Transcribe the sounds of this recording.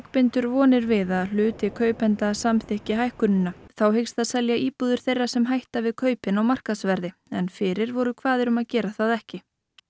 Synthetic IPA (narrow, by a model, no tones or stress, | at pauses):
akpɪnt̪ʏɾvɔːnɪɾvɪðaðl̥ʏːt̪ɪkʰœːɥpɛnt̪asamθɪhcɪɦajhkʏnːɪnaθawɦejkst̪aðsɛljaʔiːpuðʏɾ̥θejrːḁsɛmɦajht̪avɪðkʰœːɥpɪnawmar̥kasvɛɾðɪɛnfɪɾɪɾvɔɾʏkʰv̥aːðɪɾʏmaðcɛːɾaθaðɛhcɪ